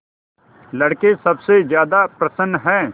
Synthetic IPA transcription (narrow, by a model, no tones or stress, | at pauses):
lɐɽkesɐbsezjaːd̪apɾəsənːɦɛ̃ː